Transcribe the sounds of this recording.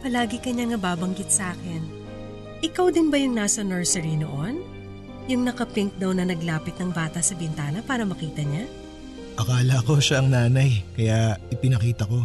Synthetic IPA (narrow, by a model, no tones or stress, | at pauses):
pɐlaːɡɪkɐɲaŋnɐbaːbɐŋɡɪt̪̚sɐʔaːkɪn | ʔɪkawd̪ɪnbɐjʊŋnaːsɐnɛɹsɛɹino̞ʔo̞n | jʊŋnɐkɐpɪŋk̚d̪ɐwnɐnɐɡlaːpɪt̪̚nɐŋbaːt̪ɐsɐbɪnt̪aːnɐpaːɾɐmɐkiːt̪ɐɲa | ʔɐkaːlɐko̞ʃaɐŋnaːnɐjkɐjaʔɪpɪnɐkiːt̪ɐko̞